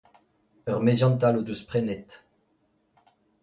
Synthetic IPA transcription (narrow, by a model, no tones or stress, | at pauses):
œʁmezjɑ̃nt̪alod̪əspχɛnɛt̪